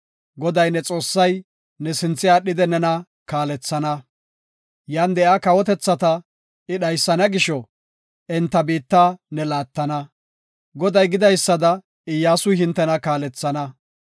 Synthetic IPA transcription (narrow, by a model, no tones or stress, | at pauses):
ɡɔd̪ɐjnɛt͡sʼo̞ːsːɐj | nɛsɪnt͡sːɪjaːɗːɪd̪ɛnɛnɐ | kaːlɛt͡sːɐnɐ | jaːnd̪ɛʔaːkɐwɔt̪ɛt͡sːɐt̪ɐ | ɪɗɐjsːɐnɐɡɪʃɔ | ʔɛnt̪ːɐbiːt̪ːaːnɛlaːt̪ːɐnɐ | ɡɔd̪ɐjɡɪd̪ɐjsːɐd̪ɐ | ɪjːaːsʊjhɪnt̪ːɛnɐkaːlɛt͡sːɐnɐ